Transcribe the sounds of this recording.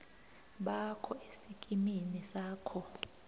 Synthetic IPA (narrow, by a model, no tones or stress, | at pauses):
ɓakʰɔʔesikʼiminisaːkʰɔ